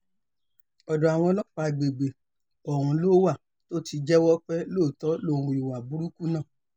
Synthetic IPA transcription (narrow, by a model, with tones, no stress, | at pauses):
ɔ˨dɔ˨a˨w̃ɔ̃˧lɔ˦k͡pa˨˧ɡ͡be˨ɡ͡be˨ | ɔ˨ɾ̃ũ˧loː˦wa˦˨ | to˦ti˧d͡ʒɛ˦wɔ˦k͡pɛ˦loː˦˨tɔ˨˦lo˦˨˧ɾ̃ũ˧i˨wa˨bu˨˦ɾu˦ku˦nã˦˨